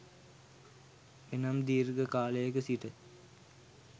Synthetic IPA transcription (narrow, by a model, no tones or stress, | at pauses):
enamd̪iːɾɡəkaːləjəkəsiʈə